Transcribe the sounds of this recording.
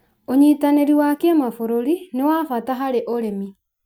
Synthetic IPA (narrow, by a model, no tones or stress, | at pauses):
oɲiːtaneɾiwakemafoɾoɾinewafataɦaɾeʔoɾemi